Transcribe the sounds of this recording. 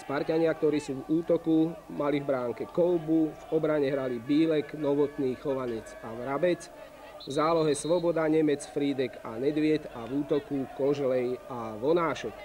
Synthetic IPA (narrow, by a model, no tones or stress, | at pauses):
spaɾcaɲɪak̚t̪ɔɾiːsuːvuːt̪ɔkumalivbɾaːŋkɛkɔʊbuvɔbɾaɲɛɦɾalibiːlɛɡnɔʋɔt̪niːxɔʋaɲɛt͡saʋɾabɛt͡s | vzaːlɔɦɛsʋɔbɔd̪aɲɛmɛt͡sfɾiːd̪ɛka̰nɛd̪ʋɪɛt̪aʋuːt̪ɔkukɔʒlɛjaʋɔnaːʃɔk